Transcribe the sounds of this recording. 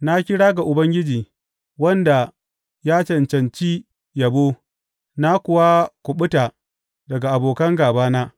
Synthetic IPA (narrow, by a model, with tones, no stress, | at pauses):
na˦kʲɪ˦ɽaː˦ɡa˨ʔʊ˨bɐ˦ŋɡʲɪ˦d͡ʒiː˨ | wɐ˦nda˨ | jaː˦t͡ʃɐ˨nt͡ʃɐ˨nt͡ʃi˦ | jɐ˨boː˦ | na˦kʷʊ˨wa˦kʷʊ˨ɓʊ˦ta˨ | dɐ˨ɡa˨ʔa˨boː˨kɐ˦ŋɡaː˨baː˦naː˦